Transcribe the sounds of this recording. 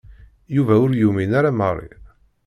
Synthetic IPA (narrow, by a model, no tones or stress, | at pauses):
juvæʊɾjuminaɾamərˤːḭ